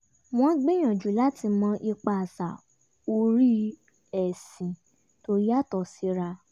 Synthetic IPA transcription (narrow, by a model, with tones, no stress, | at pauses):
m̃ɔ̃˦ɡ͡be˦j̃ã˨d͡ʒu˨˦la˦tʰi˧mɔ̃˧˦ʔi˧k͡pa˧˨sa˨ | o˧ɾi˦ | ɛ˨sĩ˨ | to˧ɾi˦a˦˨tɔ˨si˨˧˦ɾa˧